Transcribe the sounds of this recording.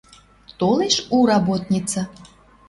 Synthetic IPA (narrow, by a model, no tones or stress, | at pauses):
t̪oleʃuɾɑbot̪nʲit͡sə